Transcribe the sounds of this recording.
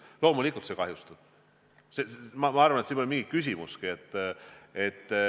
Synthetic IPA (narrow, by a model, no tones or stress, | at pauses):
lo̞ːmulikːˑult̪se̞kɑɦjust̪ub̥ | semɑmɑɑrvɑnet̪siːnːolimiŋɡ̥ikːys̬ʲimuskiet̪ːe̞t̪ː